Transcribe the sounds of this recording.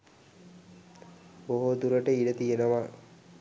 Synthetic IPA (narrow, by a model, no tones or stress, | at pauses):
boɦod̪uɾəʈəiɖət̪ijenəʋa